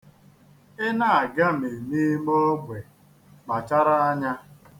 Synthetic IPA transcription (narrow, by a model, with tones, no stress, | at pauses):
ɪ˦na˦˨a˨ɡa˦m̩e˨ni˦mɔ˦ɡʷe˨ | k͡pa˨t͡ʃa˦ɾa˦a˦ɲa˦